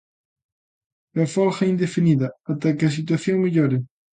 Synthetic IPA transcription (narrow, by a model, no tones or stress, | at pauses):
afɔlxɐind̪efiniðɐat̪aɐkɪɐs̬it̪waθjoŋmeʎɔɾɪ